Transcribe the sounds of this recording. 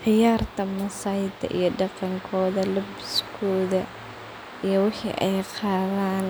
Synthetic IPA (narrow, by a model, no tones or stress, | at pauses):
ʕɪjaːrt̪ʰɐmɐsaːjɪd̪ʰɐ̰ʔḭjɔɖɑqɑŋkʰɔːðɐlʊbskʰɔːðɐ | ʔijɔwɪħḭːʔɛjqɑːðaːn